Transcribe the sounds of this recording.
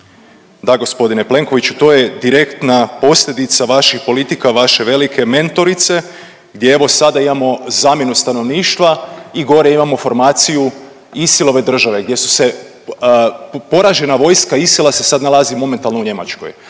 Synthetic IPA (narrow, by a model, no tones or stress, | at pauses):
d̪aɡo̞spo̞d̪ine̞ple̞ŋko̞ʋit͡ʃut̪o̞je̞d̪iɾe̞kt̪napo̞sʎʲe̞d̪it̪saʋaʃixpo̞lit̪ikaʋaʃe̞ʋe̞likʰe̞me̞nt̪o̞ɾit̪se̞ | ɡd̪ʲjeeʋo̞sad̪aimamo̞zaːmje̞nust̪ano̞ʋniːʃt̪ʋaiɡo̞ɾeimamo̞fo̞ɾmaːt̪siju | isilˠo̞ʋe̞d̪r̩ʒaʋe̞ɡd̪jesu̥se̞ | po̞ɾaʒe̞naʋo̞jskaisilase̞sad̪nalˠazimo̞ment̪alnouɲe̞ma̰t͡ʃko̰j